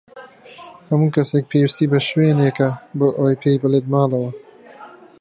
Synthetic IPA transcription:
hɐmuːkɐsek̚pʰeːwist̪iːbɐʃweːneːkɐbɨʔoːjpʰeːjbəled̪̚mɑːlɐwɐ

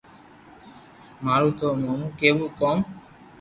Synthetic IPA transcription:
maːɾuːt̪omomukeːbukɔːm

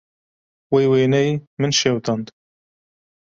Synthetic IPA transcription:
wejweːnɛjmɨnʃewt̪ɑnd̪

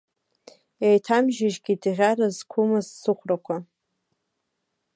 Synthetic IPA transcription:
ejtʰamʒɪʒɡʲidʁʲaɾazkʷʰumɨzsɨχʷrakʷʰa

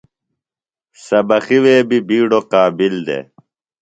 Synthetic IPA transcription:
sɐbɐxiweːbibiːɽoqaːbild̪ḛ

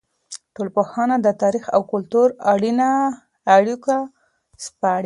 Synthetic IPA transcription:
ʈolpoxɑnad̪ət̪ɑɾixa̰wkʊlt̪uɾaɽinaː | ɽika | spɑɽ

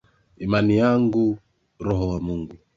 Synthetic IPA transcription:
imanijaŋɡu | ɾɔɦɔwamuŋɡu

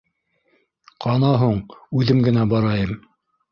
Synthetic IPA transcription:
qʰɑnɑɦuɴʉðɘmɡɘ̆næbɑɾɑjɤm

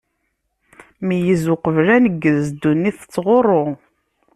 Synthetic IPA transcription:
mijəzʊqəvlænəɡːəðzd̪unːiθt͡sːʁorˤːo

